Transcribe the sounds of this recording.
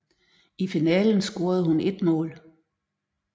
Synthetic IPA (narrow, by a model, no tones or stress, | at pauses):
ifinɛ̰ːln̩sɡ̥o̝ːɐð̞̩ˠhune̝d̥mɔ̰̽ːl